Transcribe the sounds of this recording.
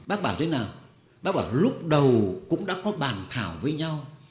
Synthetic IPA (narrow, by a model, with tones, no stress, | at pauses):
ɓaː˦˥k̚ɓaː˧˩wt̪ʰnaː˨˩w | ɓaː˦˥k̚ɓaː˧˩wlʊ˦˥k͡p̚ɗə˨˩wkʊ̰˧˥ŋ͡mɗa̰ː˧˥kɔ˨˦ɓaː˨˩nt̪ʰaː˧˩wvəː˨˦jɲa˧w